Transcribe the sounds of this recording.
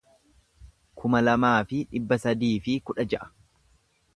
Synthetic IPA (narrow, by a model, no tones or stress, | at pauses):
kʰʊmɐlɐmaːfɪᶑɪbːɐsɐd̪iːfɪkʊᶑɐd͡ʒɐʔɐ̥